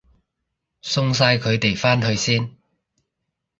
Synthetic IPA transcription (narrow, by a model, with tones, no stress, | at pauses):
sʊ˧ŋs̬aː˧jkʰɵ˨˧ɥt̪e˨jfaː˥nhɵ˧ɥsiː˥n